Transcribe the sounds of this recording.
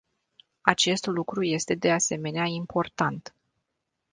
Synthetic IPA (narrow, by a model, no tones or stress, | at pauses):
at͡ʃe̞st̪lukɾuje̞st̪e̞d̪e̞ase̞me̞neaimpo̞rt̪ant̪